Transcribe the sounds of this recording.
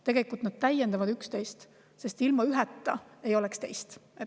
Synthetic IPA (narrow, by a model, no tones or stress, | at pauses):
t̪e̞ɡe̞likːˑult̪nd̪̥̚t̪æjːend̪ɑvɑd̪ykst̪e̞jst̪ | se̞st̪ilmɑyɦɛt̪ːˑɑe̞jo̞lekst̪e̞jst̪e